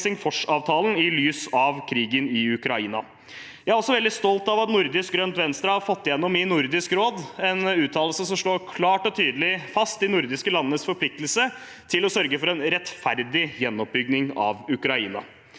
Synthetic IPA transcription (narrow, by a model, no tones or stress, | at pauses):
sɪŋfɔʂɑːʋt̪ʰɑːlən̩ɪlyːsɑʋkʰɾiːɡənɪʉkɾɑiːnɑ̰ | jæhæɾɔsɔʋɛld̪ɪst̪ɔlt̪ɑʋɑt̪nʊɾd̪ɪsk̚ɡɾœnt̪ʋɛnst̪ɾəhɑɾfɔt̪ːɪjɛnːɔmɪnʊɾd̪ɪskɾoːd̪ɛnʉːt̪ʰɑːllsəsɔmʂɭoːɾkʰlɑːʈɔt̪ʰyːd̪əlɪfɑst̪ɪnʊɾd̪ɪskəlɑnːəsfɔɾpʰlɪk̚t̪əlsə | t̪ʰɪlɔsœɾɡəfɔɾɛnɾɛt̪fæɾd̪ɪjɛnːɔp̚bʏɡ̚nɪŋɑ̰ʋʉkɾɑiːnɑ̰